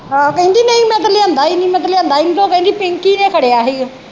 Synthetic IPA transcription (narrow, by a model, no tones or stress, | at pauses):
akə̃ĩnd̪iːnəĩːmɛ̃t̪əliãnd̪aːiːnĩːmɛ̃t̪̬əliãnd̪aːiniːt̪õːkə̃ĩnd̪iːpɪ̃ŋkiːnẽːkʰəɽeːaːɦe